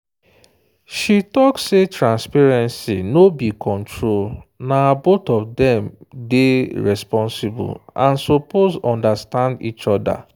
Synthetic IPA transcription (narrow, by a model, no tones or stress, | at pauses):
ʃitɔksːetɹãnspɛɹɛ̃nsinobikʰɔ̃ntʰɹolnabotɔvdɛ̃mdeɹɛspɔ̃nsɪbʊ̰lãnsopozɔ̃ndastãndit͡ʃɔda̰